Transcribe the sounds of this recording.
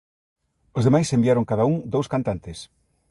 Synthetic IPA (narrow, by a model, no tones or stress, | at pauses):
ozðemajsembiaɾoŋkaðauŋd̪owskant̪ant̪ɪs